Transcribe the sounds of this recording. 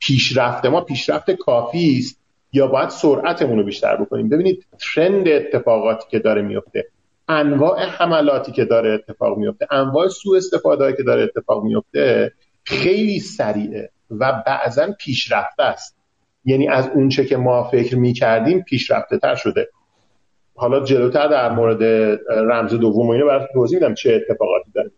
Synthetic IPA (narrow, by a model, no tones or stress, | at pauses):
pʰiːʃɾæft̪e̞mɒːpʰiːʃɾæft̪ekʰɒːfiːst̪̚ | jɒːbɒːjæd̪̥soɾʔæt̪ʰe̞muːno̞biːʃt̪æ̰ɾbo̞kʰo̞nḭːmbe̞biːniːd̪̚t̪ʰɾend̪eːt̪ʰːe̞fɒːɣɒːt̪ʰi̥ːcʰe̞d̪ɒːɾemijo̞ft̪e̞̰ | ʔænvɒːʔe̞hæmælɒːt̪ʰiːce̞d̪ɒːɾeːt̪ʰːe̞fɒ̰ːɣmijo̞ft̪eʔænvɒːʔe̞suːe̞st̪e̞fɒːd̪eɒicʰe̞d̪ɒːɾeːt̪ʰːe̞fɒ̰ːɣmijo̞ft̪e̞ | xe̞jliːsæɾiːʔḛ | væbæ̰ʔzænpʰiːʃɾæft̪æst̪̚ | jæniːʔæzunt͡ʃʰe̞cʰe̞mɒːfe̞cʰɾmiːcʰæɾd̪iːmpʰiːʃɾæ̰ft̪et̪ʰæ̰ɾʃo̞d̪e̞ | hɒːlɒːd͡ʒe̞loːt̪ʰæɾd̪æɾmoːɾe̞d̪e̞ɾæmze̞d̪ovːomoinɔbæɾɒːt̪ʰumt̪ʰoziːmid̪æmt͡ʃʰeːt̪ʰːefɒːɣɒ̰ːt̪ʰiːd̪ɒːɾemi